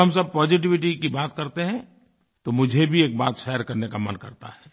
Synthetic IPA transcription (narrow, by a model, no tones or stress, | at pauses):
ɦɐmsɐb̚pɔːd͡ʒɪʈ̬ɪʋɪʈ̬ikibaːt̪kɐɾt̪eɦɛ̃ | t̪omʊd͡ʒʱebʱieːk̚baːt̪ʃɛːəɾkɐɾnekamɐnkɐɾt̪a̰ɦɛː